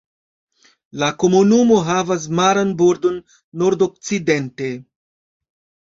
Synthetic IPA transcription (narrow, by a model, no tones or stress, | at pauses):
lako̞munumo̞ɦavas̬maɾanboɾdo̞nː | o̞ɾdok̚t͡side̞nte̞